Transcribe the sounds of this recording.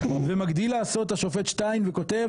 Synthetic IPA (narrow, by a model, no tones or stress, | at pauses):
vemaɡd̪ilːaːso̞t̪aʃofe̞t̪ʃtajnveko̞t̪e̞v